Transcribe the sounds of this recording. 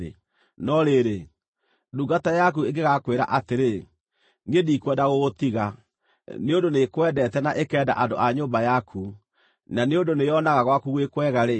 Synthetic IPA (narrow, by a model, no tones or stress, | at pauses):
ḛ | nɔɾeɾe | duɡatajak̬ueŋɡeɣakweɾa̰ʔateɾe | ŋediːkwɛdaɣoɣotiɣa | neondonekwɛdɛtɛnaʔekɛːda̰ʔandoʔaɲoːmbajakʰu | naneondonejɔnaɣaɣwakuɣwekwɛɣaɾe